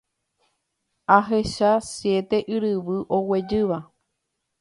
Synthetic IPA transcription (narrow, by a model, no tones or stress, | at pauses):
aɦeʃasje̞t̪e̞ʔɨɾɨʋɨʔo̞we̞d͡ʒɨʋa